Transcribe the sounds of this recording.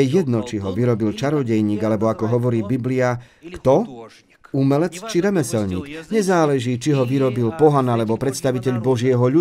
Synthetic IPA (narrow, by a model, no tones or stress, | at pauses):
ɛjɛd̪nɔt͡ʃiɦɔʋiɾɔbilt͡ʃaɾɔɟɛjɲiːɡalɛbɔakɔɦɔʋɔɾiːbiblia | kt̪ɔ | umɛlɛt͡st͡ʃiɾɛmɛsɛlɲiːkɲɛzaːlɛʒiːt͡ʃiɦɔʋiɾɔbilpɔɦanalɛbɔpɾɛt̪st̪aʋicɛʎbɔʒɪɛɦɔʎu